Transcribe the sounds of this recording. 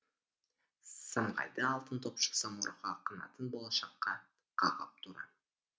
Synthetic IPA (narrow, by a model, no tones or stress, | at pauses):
səmʁɑ̰jd̪əɑlˠt̪ənt̪ʰopʃə̥sɑmoɾəʁɑqʰənɑ̰t̪ənbolˠɑʃɑqːɑ | qʰɑʁɑp̚t̪ʰuɾɑ̰